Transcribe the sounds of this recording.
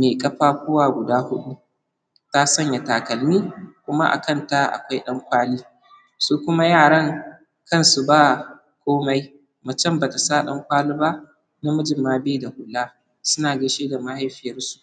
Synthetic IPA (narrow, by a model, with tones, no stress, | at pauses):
meː˨kʼɐ˦ɸaː˦kʷʊ˦waː˨ɡʷʊ˨daː˦hʊ˦ɗu˦ | ta˦sɐ˦ɲja˨taː˨kɐ˨lmiː˦kʷʊ˦ma˦ʔa̰˨kɐ˦˨nta˦ʔa̰˨kʷa˦jɗɐ˦ŋkʷaː˦liː˦ | suː˦kʷʊ˦ma˦jaː˦˨ɽɐ˦ŋ | kɐ˦˨nsu˨baː˦˨ | kʷoː˦ma˦j | mɐ˨t͡ʃɛ˦mbaː˨ta˨saː˦ɗɐ˦ŋkʷaː˦li˦ba˦ | na˦mʊ˦d͡ʒɪ˨mːaː˦bda˨hʊ˨laː˦ | sʊ˦naː˨ɡɐ˦ʃeː˦da˨ma˦ha˦jɸɪ˨jɐ˦rsu̥˨ʔ